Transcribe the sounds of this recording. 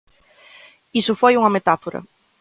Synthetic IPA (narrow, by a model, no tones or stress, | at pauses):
isʊfojuŋɐmet̪afoɾɐ̰